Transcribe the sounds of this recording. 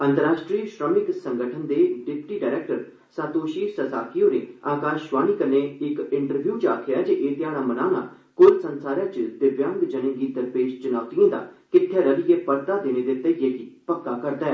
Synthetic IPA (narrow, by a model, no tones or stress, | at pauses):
ənt̪əɾaːʃʈɾiːʃɾɔːnɪksəŋɡəʈʰənd̪eːɖɪpʈiːɖaːɪɾɛːk̚ʈəɾ | sãːt̪oːʃiːsəsaːkijoːɾḛːaːkaːʃʋaːɽ̃iːkəneːɪkɪɳʈəɾbjuːt͡ʃa̰ːkʰjaːd͡ʒeʔeːt̪ɪjaːɽ̃aːmənaːna̰ː | kʊɾsənsaːɾãːt͡ʃəd̪ɪɾʋjãːŋɡd͡ʒənẽːɡid̪əɾpeːʃt͡ʃʊnaːʋt̪ijãːd̪a̰ːkɪʈ̪ʰːɛːɾəlɪjeːpəɾt̪aːd̪eːneːd̪ɪt̪ːəɪjeːkipəkːaːkəɾd̪aːɛː